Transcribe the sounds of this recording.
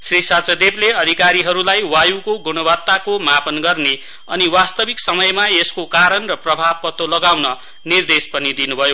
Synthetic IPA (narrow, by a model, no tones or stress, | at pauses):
srisat͡sʌd̪ebleʌd̪ʱikaɾiɦʌɾulajwajukoɡunʌbʌt̪ːakomapʌnɡʌrne | ʌniwast̪ʌbʱiksʌmʌjmaeskokaɾʌnrʌprʌbʱab̚pʌt̪olʌɡawnʌ | nird̪espʌnid̪inubʱʌjo